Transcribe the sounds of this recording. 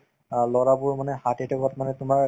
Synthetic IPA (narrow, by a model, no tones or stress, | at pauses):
lɔɹabʊɹmanɛhatitʰɔkɔtmanɛtʊmaɹ